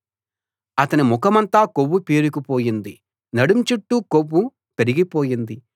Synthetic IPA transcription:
ɐt̪ɐnimukɐmɐnt̪aːkowːupiːɾukipo̞ːjind̪i | nɐɽumt͡ʃuʈːuːkowːu | pe̞ɾiɡipo̞ːjind̪i

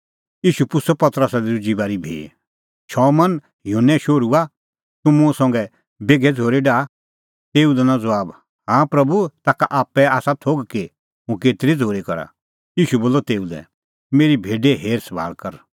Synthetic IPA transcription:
iːʃupʊsɔpɐt̪əɾəsad̪iɾʊd͡ʒibaːɾibʱḛː | ʃʰɔːmɐn | ɦɪjuːnɛ̃ʃoːɾua | t̪ʊ̃mũsɔ̃ŋɡɛ | beːɡʱɛd͡zʱoːɾeɖaː | t̪eːũd̪ɛnãd͡zɐʋaːb | ɦãːpɾɐbut̪aːkaʔaːpːɛaːsat̪ʰoːɡki | mʊ̃keːt̪ɾid͡zʱoːɾikɐɾa̰ | iːʃuboːlɔt̪eːud̪ɛ̰̃ | meːɾibʱeːɖeɦeːɾsɐbʱa̰ːlkɐɾ

